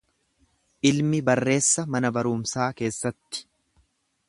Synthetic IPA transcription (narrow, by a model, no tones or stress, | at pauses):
ʔɪlmɪbɐrːe̞ːsːɐmɐnɐbɐɾʊːmsaːke̞ːsːɐt̪ːɪ̥